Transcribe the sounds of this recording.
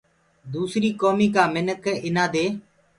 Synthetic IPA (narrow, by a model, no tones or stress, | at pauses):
d̪uːsɾiːkoːmiːkaːmɪnəkɪnãːd̪eː